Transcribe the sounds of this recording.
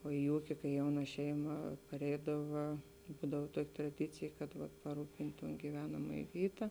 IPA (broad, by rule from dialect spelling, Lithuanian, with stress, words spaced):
oː ɪ ˈuːkʲɪ kɐɪ ˈjɛʊnɐ ˈʃʲɛɪmɐ pɐˈrʲɛɪdɐʋɐ ˈbuːdɐw ˈtuɔkʲɪ trɐˈdʲɪt͡sʲeːj kɐt pɐˈruːpʲɪnʲtʲ toːn ɡʲiːˈʋʲæːnɐmɐjeː ˈʋʲiːtɐ